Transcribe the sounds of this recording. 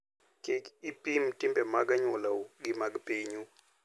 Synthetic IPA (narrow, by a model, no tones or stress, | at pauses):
kekipimtʼimbɛmaɡaɲɔlauɡimaɡpeɲu